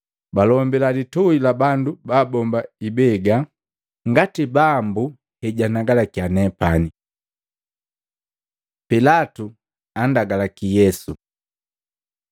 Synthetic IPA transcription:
balɔmbɛlalitɔilabandubaːbɔmbaibɛɡa | ŋɡatibambu | hɛɟanaɡalakjanɛpani | pilatu | andaɡalakijɛsu

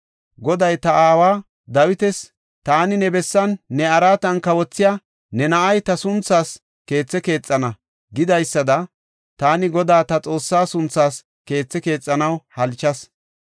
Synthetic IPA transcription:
ɡɔd̪ɐjt̪ɐaːwaː | d̪ɐwɪt̪ɛs | t̪aːnɪnɛbɛsːɐnːɛɐɾaːt̪ɐnkɐwɔt͡sːɪja | nɛnɐʔɐjt̪ɐsʊnt͡sːaːs | ke̞ːt͡sːɛke̞ːt͡sʼːɐnɐ | ɡɪd̪ɐjsːɐd̪ɐ | t̪aːnɪɡɔd̪aːt̪ɐt͡sʼo̞ːsːaːsʊnt͡sːaːs | ke̞ːt͡sːɛke̞ːt͡sʼːɐnɐwhɐlt͡ʃːɐs

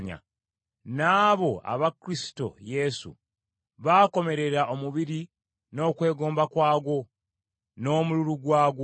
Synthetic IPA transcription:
ɲa̰ | naːβo̞a̰βakɾisi̥to̞̰je̞sṵ | βaːko̞me̞ɾe̞ɾaʔo̞muβiɾi | no̞ːkwe̞ːɡo̞ːmbakwaːɡwo̞ | no̞ːmuluɾuɡwaːɡo

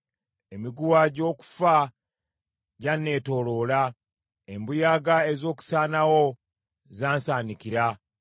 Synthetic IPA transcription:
e̞miɡuwaɟo̞ːku̥fa | ɟanːe̞ːto̞lo̞ːla | embujaːɡaezo̞ːku̥saːnawo̞ | zaːnsaːnikiɾa

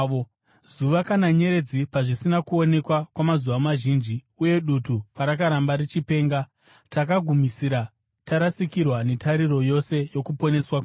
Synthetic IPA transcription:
o | zuʋakanaɲe̞ɾe̞d͡zipaʐisinakuo̞ne̞kwakwamazuʋamaʒiːnd͡ʒi | uje̞ɗutupaɾakaɾambaɾit͡ʃipe̞ːŋɡa | tak̬aɡʱumisiɾa | taɾasikirwane̞taɾiɾo̞jo̞se̞jo̞kupo̞ne̞swa

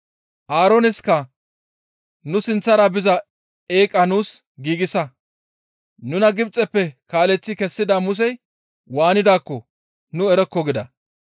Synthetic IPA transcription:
ʔaːɾɔnɪskɐ | nʊsɪnt͡sːɐɾabɪzɐ | eːkʼːɐnuːs | ɡiːɡɪsɐ | nʊnɐɡɪbt͡sʼːɛpːɛkaːlɛt͡sːɪkɛsːɪd̪amʊs̬ɛj | waːnɪd̪aːkːɔ | nʊɛɾɛkːɔɡɪd̪ɐ

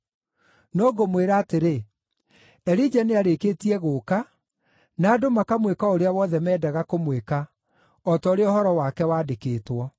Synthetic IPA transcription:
noːɡomweɾaːteɾe | ɛɾid͡ʒaneaɾekeːtiɛɣoːka | naːdomakamwekaoɾeawɔðɛmɛːdaɣakomweka | ɔtɔoɾeɔhɔɾɔwakɛwaːdekeːtwɔ

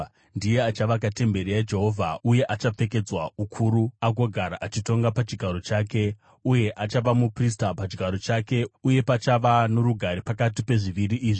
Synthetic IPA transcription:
ndije̞at͡ʃaʋakate̞mbe̞ɾijad͡ʒe̞ɦo̞vʱauje̞ʔat͡ʃap͡fe̞ke̞d͡zwaukʰuːɾuaɡo̞ɡʱaɾaʔat͡ʃito̞ŋɡapat͡ʃiɡʱaɾo̞t͡ʃaːke̞ | uje̞ʔat͡ʃaʋamupris̬tapat͡ʃiɡʱaɾo̞t͡ʃake̞uje̞pat͡ʃaʋano̞ɾuɡʱaɾipakatipe̞ʐiʋiriʔiːʐi

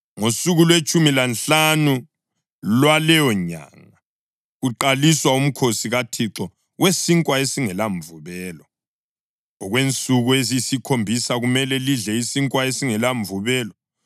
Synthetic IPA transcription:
ŋosuɣulwet͡ʃʼumilanɬanu | lwalɛjɔɲa̰ŋa | ɣuǃaliswaum̩kʰosiɣatʰiǁɔ | wesiŋkʼwaesiŋɛlaɱvuβɛːlɔ | ɔɣwent͡sʼuɣuezisikʰombʱisaɣumɛlɛliɮɛisiŋkʼwaesiŋɛlaɱvuβɛːlɔ

